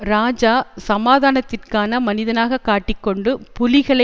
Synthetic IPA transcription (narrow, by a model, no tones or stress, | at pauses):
ɾaːd͡ʒaːsɐmaːðaːnɐt̪ːɪrkaːnɐmɐnɪðɐnaːɣɐkːaːʈːɪkːɔɳɖɯpʊlɪɣɐɭɐ